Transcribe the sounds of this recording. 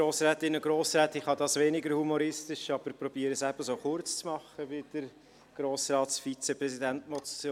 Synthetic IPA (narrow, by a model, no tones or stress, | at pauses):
ɾoːsɾɛːt̪ɪnːəɡ̥ɾoːsɾɛːt̪ɪχhɑd̪ɑːsʋɛnɪɡəɾhumoɾɪstɪʃɑb̥əɾpɾɔb̥iːəɾəsæb̥əsoːχʊɾt͡st͡smɑχəbɪd̥əɾ | ɡ̥ɾoːsrɑːtsfit͡sɛpɾɛsidæntmɔtː